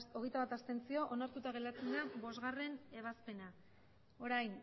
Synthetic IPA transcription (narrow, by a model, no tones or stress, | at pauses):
o̞ɣ̞e̞jt̪aβat̪ast̪e̞nt͡sio̞ʔonaɾt̪ut̪aɣ̞e̞lat͡send̪abo̞zɣare̞ne̞β̞aspe̞na | o̞ɾajn